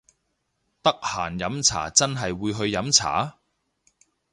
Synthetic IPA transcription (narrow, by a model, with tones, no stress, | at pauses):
t̪ɐ˥k̚haː˨˩njɐ˨˥mt͡sʰa̰ː˨˩t͡sɐ˥nɦɐ˨jwuː˨˧jɦɵ˧ɥjɐ˨˥mt͡sʰa̰ː˨˥˦